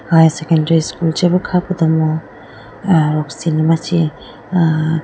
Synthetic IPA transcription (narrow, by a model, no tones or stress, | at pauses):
hajsekendɐɾiskuld͡ʒebɐkʰapud̪ɐmo | ɾɔksinimasi